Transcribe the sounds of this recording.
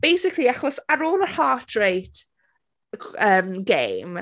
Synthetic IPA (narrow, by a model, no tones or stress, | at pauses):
b̥ejsɪkʰliaχɔsaɾoːlˠəhaːtʰɹejt | əːmɡejm